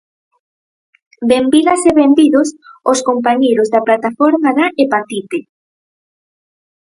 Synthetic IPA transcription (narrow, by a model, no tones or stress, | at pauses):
bembiɣaseβembiðososkompaɲejɾozðaplat̪afɔɾmaðaʔepat̪it̪e